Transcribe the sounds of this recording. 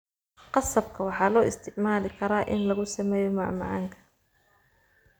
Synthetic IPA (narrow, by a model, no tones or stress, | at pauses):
qɑsɐbkʰɐwɑħɑːlɔːɪst̪ʰɪʕmaːlɪkʰɐɾaːʔɪnlɐɣʊsɐmɛːjɔmɑʕmɑ̰ʕɑ̰ːŋkʰɐ̥